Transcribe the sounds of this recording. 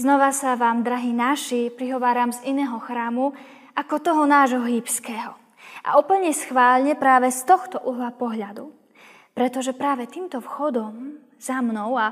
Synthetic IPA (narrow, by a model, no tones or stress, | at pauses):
znɔʋasaʋaːmd̪ɾaɦiːnaʃipɾiɦɔʋaːɾamzinɛːɦɔxɾaːmu | ʔakɔt̪ɔɦɔnaːʒɦɔɦiːpskɛːɦɔ | ʔa̰ʔupl̩ɲɛsxʋaːʎɲɛpɾaːʋɛst̪ɔxt̪ɔʔuɦlapɔɦʎad̪u | pɾɛt̪ɔʒɛpɾaːʋɛt̪iːmt̪ɔfxɔd̪ɔm | z̥amnɔʊa